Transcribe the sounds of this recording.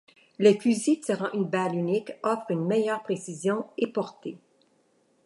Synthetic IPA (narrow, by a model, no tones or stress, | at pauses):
lefyzisiʁɑ̃ʔynbalynikɔfχynmɛjœːʁpχesizjɔ̃epɔʁt̪e